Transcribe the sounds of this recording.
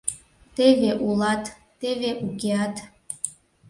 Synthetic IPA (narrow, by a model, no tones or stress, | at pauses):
t̪eβeʔulɑt̪ː | eβeʔukeɑt̪